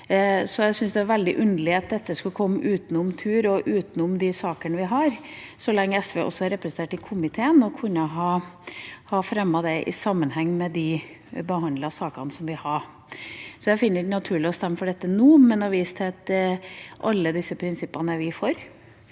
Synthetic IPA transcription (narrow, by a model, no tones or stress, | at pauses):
sɔjæsʏnsd̪ɛæɾʋɛld̪ɪʔʉnd̪lɪɑt̪̚d̪ɛt̪ːəskʉlkʰɔmːʔʉːt̪n̩ʊmt̪ʰʉːɾɔʔʉːt̪n̩ʊmd̪ɪsɑːkəɳəʋɪɦɑɾsɔlɛŋːəɛsʋeʔɔ̰sːɔɑɾɛpɾəsən̩t̪eːʈɪkʰʊmɪt̪ʰeːənɔkʰʉnːəɦɑː | hɑfɾɛmːɑd̪ɛʔɪ̰sɑmːənhɛŋːmɛd̪ɪ | bəhɑnd̪lɑsɑːkɑ̰nəsɔmʋɪhɑɾ | sɔjæɪfɪnːəɾnɑt̪ʰʉːɭɪɔst̪ɛmːəfɔɖɛt̪ːənuːmɛnɔʋiːst̪ʰeːt̪ɪʔɑlːəd̪ɪsːəpʰɾɪnsɪpːɑnəʋɪfɔɾ